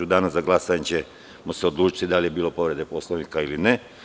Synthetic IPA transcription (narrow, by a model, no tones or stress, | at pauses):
ud̪aːnazaɡlˠasat͡ɕe | moseod̪lˠuːt͡ʃi̥t̪id̪alije̞biːlo̞po̞ʋɾe̞d̪epo̞slˠoʋnikailineɛ